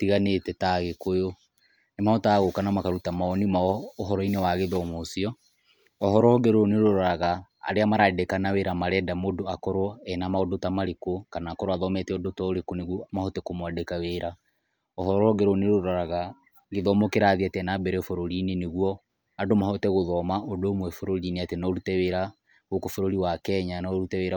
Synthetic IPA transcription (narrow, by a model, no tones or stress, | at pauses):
tiɣanetɛtaɣekojo | nemahɔtaːɣokanamakaɾutamaɔnimaɔːɦɔɾɔinewaɣeðɔmosiɔ | ɔɦɔɾɔɣɛɾoneɾoɾɔɾaɣa̰ːɾeamaɾadekanaweɾamaɾɛːdamodoakɔɾwɔɛnamaodotamaɾekokanaːkɔɾwaðɔmɛtɛɔdotɔoɾekoneɣwɔmahɔtɛkomwadekaweːɾa | ɔhɔɾɔɣɛɾoneɾoɾaɾaɣa | ɣeðɔmokeɾaðiatɛnabɛɾɛfoɾoɾineneɣwɔ | adomahɔtɛɣoðɔmaodomwɛfoɾoɾineatenɔɾutɛweɾa | ɣokofoɾoɾiwakɛɲanɔɾutɛweɾa